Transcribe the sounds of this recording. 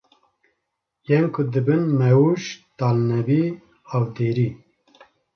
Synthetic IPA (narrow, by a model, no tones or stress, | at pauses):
jɛmkʰʊd̪ɨbɨnmɛuʃt̪aːlnɛbi | hawd̪eːɾi